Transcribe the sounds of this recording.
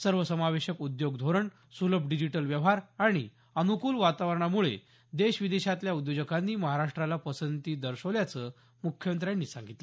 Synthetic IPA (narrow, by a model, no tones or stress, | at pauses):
səɾʋəsəmaʋeɕəkud̪joɡd̪ʱoɾəɳ | suləbʱɖid͡ʑiʈəlʋjəʋɦaɾaɽ̃i | ənukuːlʋat̪aʋəɾəɳ̃amuɭḛ | d̪eɕʋid̪eɕat̪ljaud̪jod͡ʑəkʰanːiːməɦaɾaʂʈɾalapəsənt̪iːd̪əɾɕəʋljat͡sə | mukʰjəmənt̪ɾjanːiːsãŋɡʱit̪lə